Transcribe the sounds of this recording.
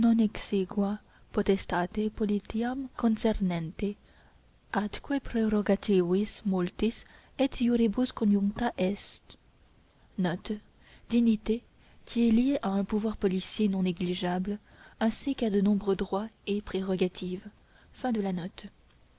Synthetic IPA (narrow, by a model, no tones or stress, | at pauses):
nɔ̃nɛkseɡwa | pχɔt̪ɛst̪at̪epɔlit̪iamkɔ̃nsɛʁnɛ̃nt̪e | at̪kwepχeʁɔɡat̪ivismolt̪is | ɛt̪juɾeboskɔ̃ʒɔ̃ŋkt̪aʔɛst̪ | nɔt̪ | d̪̥init̪e | kʰʲiɛljeʔaɛ̃puvwaʁpɔlisjenɔ̃neɡliʒabl | ɛ̃sikad̪ənɔ̃bʁød̪ʁwaepχeʁɔɡat̪ʰiv | fɛ̃d̪əlanɔt̪